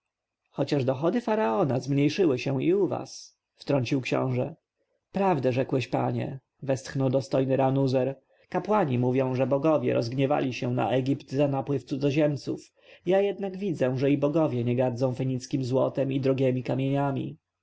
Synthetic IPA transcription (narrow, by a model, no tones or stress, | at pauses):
xɔt͡ɕaʐd̪ɔxɔd̪ɘfaɾaɔnazmɲejʂɘwɘɕɛw̃iuva̰s | ft̪ɾɔɲt͡ɕiwkɕɔ̰̃w̃ʐɛ | pɾavd̪ɛʐɛkwɛɕpa̰ɲɛ̰ | vɛst̪xnɔwd̪ɔst̪ɔjnɘɾanuzɛɾ | kapwaɲimuvʲjɔ̃w̃ʐɛbɔɡɔvʲjɛ̰ɾɔ̰zɡɲɛva̰lʲiɕɛw̃na̰ʔɛɡʲipt̪zanapwɘft̪sud̪zɔʑɛmt̪suf | jajɛd̪naɡvʲid̪zɛ̃ʐɛibɔɡɔvʲjɛɲɛɡaɾd̪zɔ̃w̃fɛɲit̪skʲimzwɔt̪ɛmid̪ɾɔɡʲɛmʲikamʲjeɲamʲḭ